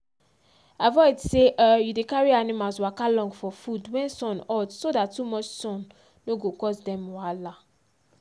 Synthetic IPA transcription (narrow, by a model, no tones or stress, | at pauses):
avɔɪdseʔajudekaɹianimalswakalɔ̃ŋɡfɔfudwɛ̃nsɔ̃nɔtsodatːumɔt͡ʃsɔ̃nː | oɡokɔsdɛ̃mwala